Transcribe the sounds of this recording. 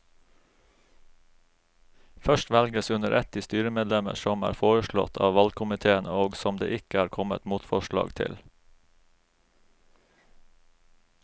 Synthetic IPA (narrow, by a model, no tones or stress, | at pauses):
fœʃtʋɛlɡəsʉnəɾʔɛt̪iːst̪yːɾəmeːd̪lɛmə̰ʃɔmæ̰ːɾfoːɹəʃlɭɔ̰t̪ʰɑ̰ːʋɑlkʰʊmɪt̪ʰeːənəoːɡsɔmd̪ḛːʔɪkəæːɾkʰɔmə̰t̪muːt̪fɔʃlɑ̰ːɡt̪ʰɪ̰l